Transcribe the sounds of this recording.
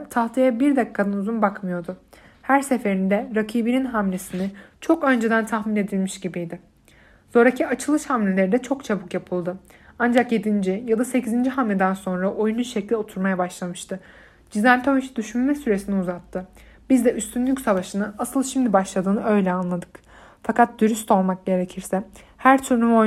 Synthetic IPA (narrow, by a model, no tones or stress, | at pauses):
t̪ʰaht̪ʰijabiɾd̪ɛkʰːad̪anuzunbakmɯjo̞ɾd̪ʊ | hæɾse̞fe̞ɾind̪ɛɾakʰiːbininɦamlʲe̞sinɪt͡ʃʰo̞kø̞nd͡ʒed̪ænt̪ʰaxmine̞d̪ilʲmiʃɟibijd̪ɪ | so̞ɾacʰiat͡ʃʰɯlˠɯʃhamlʲe̞lʲe̞ɾid̪ɛt͡ʃʰo̞kt͡ʃʰabɯkjapʰɯlˠd̪ɯand͡ʒakje̞d̪ind͡ʒijad̪ase̞cʰizind͡ʒiɦamlʲed̪ænso̞nɾaʔo̞jununʃɛclʲio̞t̪ʰuɾmajabaʃlˠamɯʃt̪ʰɯ | d͡ʒizænt̪ʰoʃd̪yʃynmɛsyɾesiniuzat̪ʰːɯ | b̥izd̪ɛʔyst̪ʰynlʲycʲsavaʃɯnɯasɯlˠʃimd̪ibaʃlˠad̪ɯːnɯʔø̞jlʲɛanlˠad̪ɯk | fakʰat̪̚d̪yɾyst̪o̞lˠmak̚ɟe̞ɾecʰiɾsɛ | hæɾt̪ʰyɾnumo